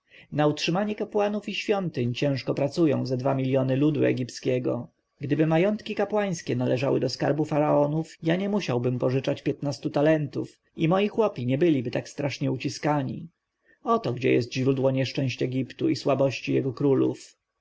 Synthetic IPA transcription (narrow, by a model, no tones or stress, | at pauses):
nautʂɘmaɲɛkapwanufiɕfʲjɔnt̪ɘɲt͡ɕɛ̃ʂkɔpɾat̪sujɔ̰̃w̃zɛd̪vamʲilʲjɔnɘlud̪uɛ̰ɡʲipt̪skʲɛɡɔ̰ | ɡd̪ɘbɘmajɔnt̪kʲikapwaj̃skʲɛnalɛʐawɘ̰d̪ɔskaɾbufaɾaɔnufjaɲɛmuɕawbɘmpɔʐɘt͡ʂat͡ɕpʲjɛt̪nast̪ut̪alɛnt̪uf | imɔjixwɔpʲiɲɛbɘlʲibɘt̪akst̪ɾaʂɲɛut͡ɕiskaɲḭ | ɔt̪ɔɡd͡ʑɛ̰jɛ̰st̪ʑɾud̪wɔɲɛʂt͡ʂɛ̃w̃ɕt͡ɕɛɡʲipt̪uiswabɔɕt͡ɕijɛɡɔkɾulṵf